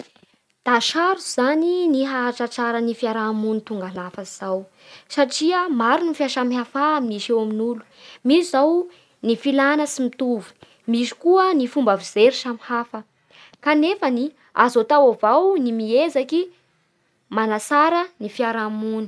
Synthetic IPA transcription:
d̪̥aʃaɾuzaniniɦaaʈ͡ʂaʈ͡ʂaɾənifiaɾamunit̪uŋɡalafaiz̥aw | saʈ͡ʂiəmaɾunifiaʃamiɦafaːminiʃewaminulu̥ | misizaw | nifilanəsimit̪uvu̥ | misi̥kuənifumbavizeɾiʃamihafə | kanefani | azot̪awavawnimiezaki | manasaɾənifiaɾamuni̥

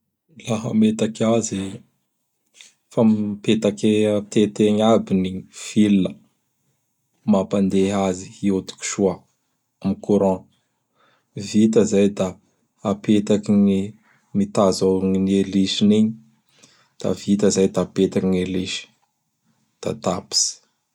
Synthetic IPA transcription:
laɦə̰met̪akazi | fampet̪aket̪et̪eɲabiniv̥ilːə | mapand̪eɦaziiot̪u̥ku̥ʃua | mikuɾã | vit̪əzajd̪a | apet̪akiɲi | mit̪azoŋinieliʃiniɲ | d̪̥a̰v̥it̪əzajd̪aːpet̪akiɲeliʃi̥ | d̪̥a̰t̪api̥si̥

